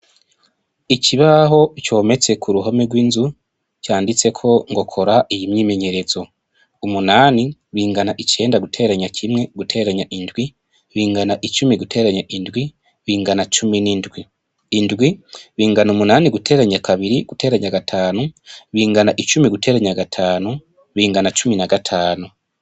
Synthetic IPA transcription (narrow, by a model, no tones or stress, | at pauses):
icʰiβaɦo̞it͡ʃo̞ːme̞t͡se̞kʰuɾuɦo̞meɡwiːnzu | caːndit͡se̞kʰo̞ŋɡo̞kʰo̞ɾaʔijimɲiːme̞ɲe̞ɾe̞zo̞ | umunaːniβiːŋɡanaʔit͡ʃe̞ːndaɡutʰe̞ɾaɲakʰimŋe̞ɡ̥utʰe̞ɾaɲaʔindɡwi | βiːŋɡanaʔit͡ʃumiɡutʰe̞ːɾaɲaʔindɡwi | βiːŋɡanat͡ʃuminindwiː | ndɡwiβiːŋɡanumunaːniɡutʰe̞ːɾaɲakʰaβiɾiɡ̥utʰe̞ɾaɲaɡatʰaːnuβiːŋɡanaʔit͡ʃumiɡute̞ːɾaɲaɡatʰaːnu | βiːŋɡanat͡ʃuminaɡatʰaːnu